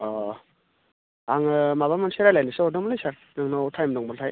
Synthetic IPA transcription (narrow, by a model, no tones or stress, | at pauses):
ɔ | aŋɯmaβamanseɾajlajnɯsɯɔdɯmlajsaɾ | nɯŋnɔwtʰajmnɔŋbɔltʰaj